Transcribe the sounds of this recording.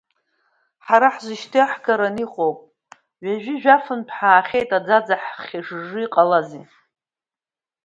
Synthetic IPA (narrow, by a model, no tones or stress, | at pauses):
ħaɾaħzɨʃtʰɨħɡaɾaniχʼowpʼ | ɥʷaʒᶣɪʒᶣafɨnpʰħaːχʲejtʼad͡zad͡zaħχʲiʂʐɨiqʼalazi